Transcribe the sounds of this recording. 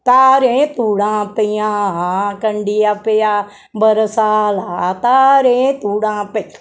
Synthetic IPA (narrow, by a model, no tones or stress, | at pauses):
t̪aːɾẽːt̪uːɽãːpɪjãːɦãkəɳɖijaːpejaː | bəɾsaːlaːt̪aːɾẽːt̪uːɽãːpe